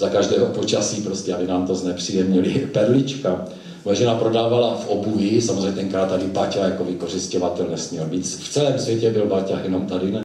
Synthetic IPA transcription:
zakaʒdɛːɦopo̞t͡ʃasiːpɾoscʲɛabɪnaːmt̪o̞znɛpr̝̥ijɛmɲɪlɪpɛɾlɪt͡ʃka | mojɛʒɛnapɾo̞daːvalafʔobujɪsamozreɲɛt̪ɛŋkɾaːt̪ːadɪpacajako̞vɪkor̝ɪscovat̪ɛlnɛsmɲɛlmiːt͡sft͡sɛlɛːmsvjɛcɛbɪlbacajɛnomt̪adɪnɛ

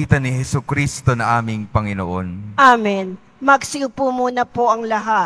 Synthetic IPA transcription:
iːt̪ɐnɪhɛsukɾist̪onɐŋʔaːmɪŋpɐŋɪnoʔonʔaːmɪn | mɐɡsɪpumuːnɐpoʔɐŋlɐɦa

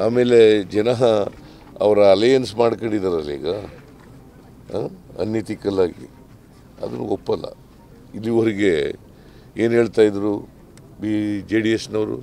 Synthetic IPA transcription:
aːme̞ːle̞d͡ʒɛnɐɦɐ | ɐ̰ʋɐɾɐːlejɐnsmaːɽkɐɳɖid̪aːɾɐlːḭːɡɐ | aɐ̰nːit̪ikɐlaːɡḭ | ɐ̰d̪ɐnːṵopːɐlːɐ̰ | ilːioɾiɡe̞ | eːnɦeːɭt̪aːjid̪ɾu | bid͡ʒeːɖijesnɐʋɾṵ

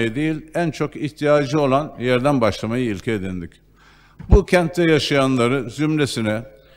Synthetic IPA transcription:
jɯd̪ejilʲænt͡ʃʰo̞kiçt̪ʰijaːd͡ʒɯo̞lˠanjæɾd̪ænbaʃlˠamajɯilʲcʰɛːd̪ind̪ic | bucʰɛnt̪ːɛjaʃajanlˠaɾɯzymɾesinɛ

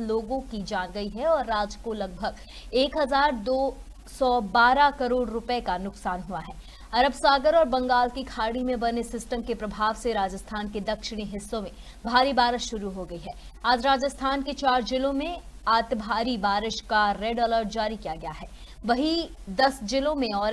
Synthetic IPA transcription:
loːɡõkid͡ʒaːnɡɐiɦɛɔːɾːaːd͡ʒkolɐɡ̚bʱɐɡ | eːkɦɐzaːɾd̪oː | sɔbaːɾakɐɾoːɽɾʊpəekanʊksaːnɦuaɦɛː | ɐɾəbsaːɡəɾɔːɾbɐ̃ŋɡaːlkikʰaːɾɽimẽbɐnesɪsʈəmkepɾɐbʱaːʋseɾaːd͡ʒəst̪ʰaːnked̪ɐkʃɪɽ̃iɦɪsːõmẽ | bʱaːɾibaːɾɪʃʃʊɾuɦoɡɐiɦɛːaːd͡ʒɾaːd͡ʒəst̪ʰaːnket͡ʃaːɾd͡ʒɪlõmẽaːt̪bʱaːɾibaːɾɪʃkaɾeːɖɔːləɾʈd͡ʒaːɾikijaɡɐjaɦɛː | ʋɐɦid̪ɐsd͡ʒɪlõmẽɔːɾ

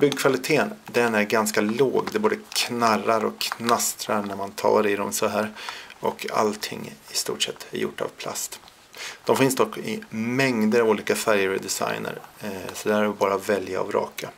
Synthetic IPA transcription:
bʏɡːkʰvalɪt̪ʰeːənd̪ɛnæɾɡanskaloːɡd̪ɛboːd̪əkʰnaraɾɔkʰːnast̪ɾaɾnæɾmant̪ʰɑ̰ːɾɪd̪ɔmsɔɦæːɾɔkʰa̰lt̪ʰɪ̰ŋːɪst̪ṵːʈʂɛt̪ʰːæ̰ɾjʊ̰ʈːa̰vpʰla̰st̪ | d̪̥ɔmfɪnsd̪ɔkːɪmɛŋd̪əɾavuːliːkafæɾjəɾd̪ɛsa̰jnə̰ɾsɔd̪ɛæɾɔbɑːɾavɛlja̰ːvɾɑ̰ːka

